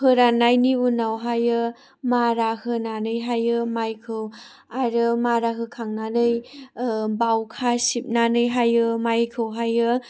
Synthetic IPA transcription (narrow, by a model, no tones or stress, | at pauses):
hɯɾanajniunawɦajɯ | maɾahɯnanɯjɦajɯmajkʰɯw | aɾɯmaɾaɦɯkʰaŋnanɯj | bawkʰasip̚nanɯjɦajɯmajkʰɯwɦajɯ